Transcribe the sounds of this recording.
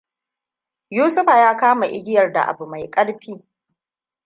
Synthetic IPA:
juː˦sʊ˦ɸa˨jaː˦kaː˦ma˨ʔɪ˦ɡʲɪ˦jɐ˨rda̰˨ʔa̰˨bu˨ma˨jkʼɐ˦ɽɸiː˦

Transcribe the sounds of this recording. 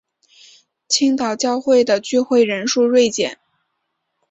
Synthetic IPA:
t͡ɕʰi˥ŋt̪ɑ˨˩ʊt͡ɕjɑ˥˧ʊxwe˥˩ɪd̪ə˩t͡ɕy˥˧xwe˥˩ɪɻə˧˥nʂu˥˧ɻwe˥˩ɪt͡ɕjɛ˨˩˦n

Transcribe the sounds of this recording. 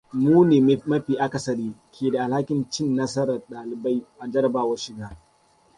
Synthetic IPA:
muː˦neː˨mɐ˦ɸiː˨ʔa˦ka˨sɐ˦ɗiː˦kʲʰeː˨da˨ʔa˨lha˦kʲɪ˨nt͡ʃɪ˦nːɐ˦sɐ˦ɾɐ˨rɗaː˨lɪ˨ba˦jʔa˨d͡ʒɐ˦ɾɐ˨baː˨wɐ˦ʃɪ˨ɡaː˦

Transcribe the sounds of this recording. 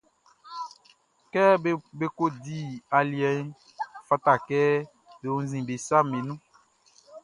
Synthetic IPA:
kɛ˦be˦ko˦di˦a˨li˨ɛ˨˦ | fa˦ta˨kɛ˦ | de˨ũ˦zĩ˨be˨sa˦mẽ˨nũ˦

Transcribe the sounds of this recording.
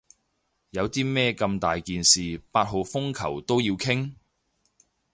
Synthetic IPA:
jɐ˨˧wt̪iː˥mɛː˥kɐ˧mt̪aː˨jkiː˨nsiː˨paː˧t̚ɦo˨wfʊ˥ŋkʰɐ˨˩wt̪o˥wjiː˧wkʰɪ˥ŋ

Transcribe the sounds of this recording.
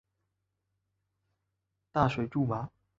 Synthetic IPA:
t̪a˥˩ʂwe˨˩ɪʈ͡ʂu˥˩ma˨˧˦

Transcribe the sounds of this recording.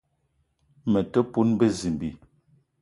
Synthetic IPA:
mə˨tə˦pu˦nbə˦zi˨mbi˨

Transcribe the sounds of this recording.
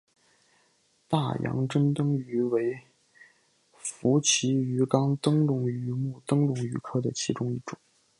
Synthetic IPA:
t̪a˥˩jɑ̰˧˥ŋʈ͡ʂə˥nt̪ɤ˥ŋy˧˥we˧˥ɪ | fu˧˥t͡ɕʰi˧˥y˧˥kɑ˥ŋt̪ɤ˥ŋɻʊ˥˩ŋy˧˥mu˥˩t̪ɤ˥ŋɻʊ˥˩ŋy˧˥kʰɤ˥˩d̪ə˩t͡ɕʰi˧˥ʈ͡ʂʊ˥ŋi˥˩ʈ͡ʂʊ˨˩˦ŋ

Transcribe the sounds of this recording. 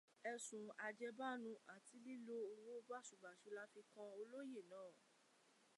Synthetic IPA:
ɛ˧sũ˨a˧d͡ʒɛ˧ba˦nũ˧a˨ti˧li˦lo˦o˧wo˦ba˦˨ʃu˨ɡ͡ba˨ʃu˨˧˦la˦fi˧kã˧o˧lo˦je˦˨nãː˨˦˨

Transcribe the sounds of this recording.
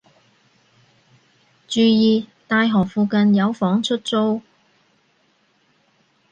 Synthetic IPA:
t͡ʃyː˨˧jiː˨˧t̪aː˧jɦɔː˨˩k̚fuː˨˧kɐ˧njɐ˨˧wfɔː˨˥ŋt͡ʃʰɵ˥t̚t͡so˥w

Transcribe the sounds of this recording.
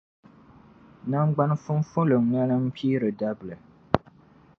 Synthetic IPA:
na˦ŋ˦ɡ͡ba˦n˦fʊ˦n˦fʊ˦lɨ˨ŋ˨ŋa˦nɨ˦m̩˦pʰiː˦ɾɨ˨da˦bɨ˨lɨ˨

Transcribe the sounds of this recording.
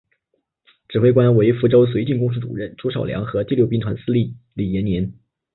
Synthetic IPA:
ʈ͡ʂɻ̩˨˩xwe˥˧ɪkwa˥nwe˧˥ɪfu˥ʈ͡ʂo˥ʊs̬we˧˥ɪt͡ɕi˥˩nkʊ˥ŋs̬u˥˩t͡sṵ˨˩ɻə˥˩nʈ͡ʂu˥ʂɑ˨˩ʊljɑ̰˧˥ŋxɤ˧˥t̪i˥˧ljo˥˧ʊpi˥ŋt̪ʰwa˧˥nsɹ̩˥li˥˩ | li˨˩jɛ˧˥nnjɛ˧˥n

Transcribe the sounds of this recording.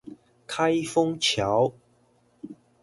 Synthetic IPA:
kʰa˥jfʊ˥ŋt͡ɕʰja˨˥˦w

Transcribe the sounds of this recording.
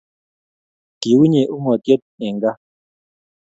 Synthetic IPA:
ki˨wu˦ɲe˨ʔu˦ŋɔ˨tjɔ˦t̚ɛ˨ŋɡa˦

